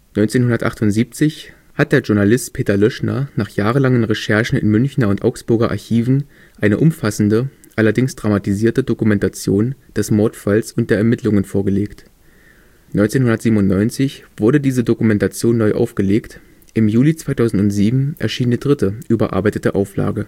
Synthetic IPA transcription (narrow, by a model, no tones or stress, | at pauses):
nɔʏnt͡seːnɦʊndɐtʔaχtʊntz̥iːp̚t͡sɪç | hat̚d̥eːɐʒʊɐnalɪstpʰeːtɐlœʃnɐ̰naːχjaːʁ̞əlaŋənʁeʃɛɐʃn̩ɪ̰nmʏnçnɐʊntʔa̰ʊksb̥ʊɐɡɐʔa̰ɐçiːvn̩ | ʔaɪnəʔʊmfasn̩də | ʔalɐdɪŋsd̥ʁamatiziːɐtədokumɛntat͡sjoːnd̥ɛsmɔɐtfalsʊnt̚d̥eːɐɛɐmɪtʰlʊŋənfoːɐɡəleːkt | nʔɔ̰ʏnt͡seːnhʊndɐtziːbmʊntnɔʏnt͡sɪçv̥ʊɐɾədiːzədokumɛntat͡sjoːnːɔʏʔa̰ʊfɡ̥əleːkt | ʔɪmjuːlit͡sv̥aɪtʰaʊzn̩tʊntz̥iːbm̩ʔɛ̰ɐʃiːndiːdʁɪtəʔyːbɐʔa̰ɐbaɪtətəʔaʊfla̰ːɡə